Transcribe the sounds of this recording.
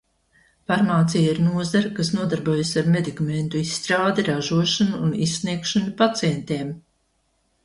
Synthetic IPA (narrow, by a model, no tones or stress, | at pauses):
faɾmaːt̪sijaiɾnuɔzaɾakas̬nuɔd̪aɾbuɔjasaɾmed̪ikament̪uisːt̪ɾaːd̪ɛɾaʒuɔʃanuːnissːniɛkʃanapat̪sijɛnt̪eːm